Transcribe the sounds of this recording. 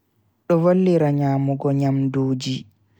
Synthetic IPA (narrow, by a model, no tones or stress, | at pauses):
ɗɔwolːiɾaɲaːmuɡɔɲamdoːd͡ʒi